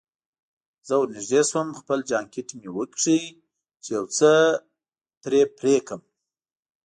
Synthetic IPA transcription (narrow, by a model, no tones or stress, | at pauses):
z̥əwnɪʒd̪eswəmxpəld͡ʒɑŋkɪʈmewəkʂi | t͡ʃejawt͡sə | t̪ɾepɾekəm